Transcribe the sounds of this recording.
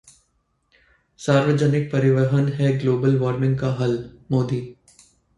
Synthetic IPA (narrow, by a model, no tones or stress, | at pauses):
saːɾʋəd͡ʒənɪk̚pɐɾɪʋəɦənɦɛɡloːbəlʋɔːɾmɪ̃ŋɡkaɦɐlmoːd̪iː